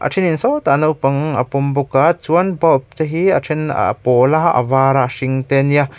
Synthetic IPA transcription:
ʔɐ̰ʈ͡ʂʰininsɔwt̪anɐwpɐŋɐ̰pɔmbukat͡suɐnbɔp̚t͡sɐɦiɐtʰin̰pɔlaʔɐ̰vaːɾaʂiŋt̪ɛnia

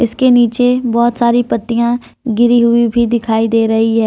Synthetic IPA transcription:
ɪskeniːt͡ʃebɔːt̪saːɾipɐt̪ːijã | ɡɪɾiɦʊibʱid̪ɪkʰaːid̪eːɾɐɦiɦɛː

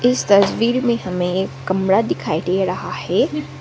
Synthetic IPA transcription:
ɪst̪ɐswiːɾmẽɦɐmẽeːkːɐmɾad̪ɪkʰaːiʈeːɾɐɦahɛː

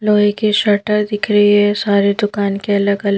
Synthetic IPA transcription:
loːɦekiʃɐʈəɾd̪ɪkʰɾɐɦiɦɛsaːɾed̪ʊkaːnkeɐləɡɐl

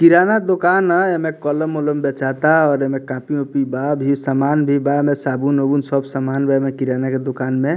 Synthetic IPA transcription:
kiɾanad̪okanəemekələmoləmbet͡ʃat̪aɔɾemekãpiopibabʱisamanbʱibamesabunobunsəbsəmanbamekiɾanaked̪okanme

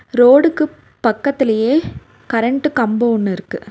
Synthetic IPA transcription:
ɾoːɽɯkːɯ | pɐkːɐt̪ːɪlɐjeː | kɐɾɛɳʈɯkɐmboːɔnːɯɪɾɯkːɯ

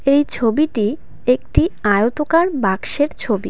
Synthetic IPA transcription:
ejt͡ɕʰobiʈi | ek̚ʈiajot̪okaɾbakʃeɾt͡ɕʰobḭ

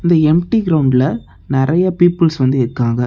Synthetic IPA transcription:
ɪnd̪ɐɛmʈiɡɪɾɐʊɳɖlɐ | nɪɾɐjapiːpːɪlsʋɐnd̪ɯɪɾɯkːaːɡɐ

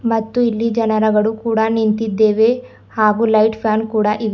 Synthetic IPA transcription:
mɐt̪ːuilːid͡ʒɐnɐɾɐɡɐɭukuːɽɐnint̪id̪ːeːʋe | haːɡuːlɐjʈpʰjaːnkuːɽɐʔiʋ

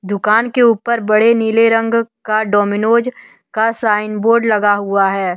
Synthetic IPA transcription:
d̪ʊkaːnkeuːpəɾbɐɽeniːleɾə̃ŋɡkaɖɔːmɪnoːd͡ʒ | kasaːɪnboːɾɖlɐɡaɦʊaɦɛː

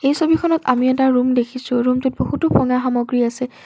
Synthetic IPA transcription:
ejsobikʰɔnɔta̰miɛtaɹumdekʰisʊɹumtʊt̚bohutʊpʰɔŋaxamɔɡɹiasɛ

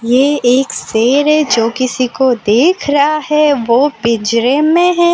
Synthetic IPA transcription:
jeeːkseːɾɛd͡ʒoːkɪsikod̪eːkʰɾɐɦaɦɛʋoːpɪd͡ʒɾemẽɦɛ̃ː

